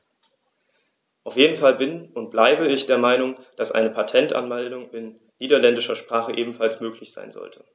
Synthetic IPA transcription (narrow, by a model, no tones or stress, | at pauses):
ʔaʊfjeːdn̩falbɪnʊnt̚b̥laɪbəɪçd̥eːɐmaɪnʊŋd̥asʔa̰ɪnəpʰatʰɛntʔa̰nmɛldʊŋɪnː | iːdɐlɛndɪʃɐʃpʁ̥aːχəʔeːbm̩falsmøːklɪçz̥a̰ɪnzɔ̰ltʰə̥